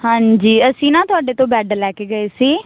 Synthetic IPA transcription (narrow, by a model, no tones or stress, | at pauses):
hãːɲd͡ʒiːəsĩːnãːt̪ʊaːɖeːt̪õːbɛːɖəlɛːkeːɡəeːsiː